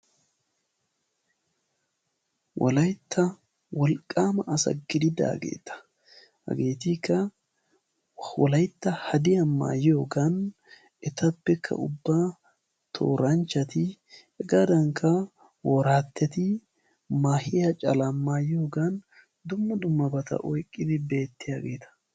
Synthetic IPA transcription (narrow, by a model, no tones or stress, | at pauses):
wʔɐ̰lɐjt̪ːɐ | wɔlkʼːaːmɐʔɐsɐ̰ɡɪd̪ɪd̪a̰ːɡḛːt̪ːɐ̥ | hɐ̰ɡeːt̪ikːɐ | wɔlɐjt̪ːɐhɐd̪ɪɐmːa̰ːjoːɡan | ɛt̪ɐbːɛkʰːɐ̰ʊbːaː | t̪ʰo̰ːɾɐnt͡ʃːɐt̪ɪ | ɛɡad̪ɐŋkʰːɐ | woɾaːt̪ːɛt̪ɪ | maːhɪjɐt͡ʃʼɐlɐmːaːjoːɡɐn | d̪ʊmːɐd̪ʊmːɐbɐt̪ɐ̰ʔɔjkʼːɪd̪ɪbe̞ːt̪ːɪjaɡe̞̰ːt̪ɐ̥